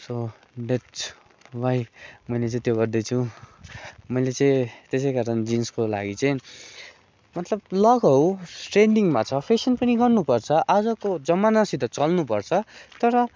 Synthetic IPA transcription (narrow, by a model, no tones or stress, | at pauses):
so | ɖe | bajmʌjlet͡saĩt̪joɡʌrd̪ʌjt͡sʰũ | mʌjlet͡saĩt̪es̬ejkaɾʌnd͡zinskola̰ɡit͡saĩ | mʌt̪lʌb̚lʌɡʌwʈreɳɖiŋmat͡sʰʌpʰesʌnpʌniɡʌrnupʌrt͡sʰʌʔad͡zʌkod͡zʌmanasit̪ʌt͡sʌlnupʌrt͡sʰʌt̪ʌɾʌ